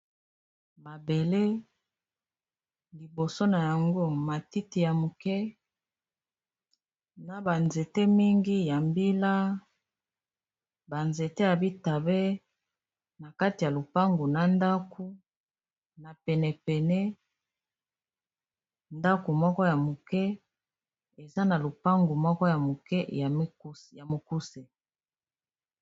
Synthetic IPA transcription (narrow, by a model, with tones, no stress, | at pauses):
ma˨be˨le˦ | li˨bo˨so˦na˨ja˨ŋɡo˦ma˨ti˦ti˨ja˨mo˨kɛ˦ | na˨ba˨nze˨te˦mi˦ŋɡi˦ja˨mbi˦la˦ | ba˨nze˨te˦ja˨bi˦ta˨be˦ | na˨ka˦ti˨ja˨lo˨pa˦ŋɡo˨na˨nda˦ku˦ | na˨pɛ˨nɛ˨pɛ˨nɛ˦ | nda˦ko˨mɔ˦kɔ˦ja˨mo˨kɛ˦ | e˨za˦na˨lo˨pa˦ŋɡo˨mɔ˦kɔ˦ja˨mo˨kɛ˦a˨˦ja˨mo˨ku˦se˨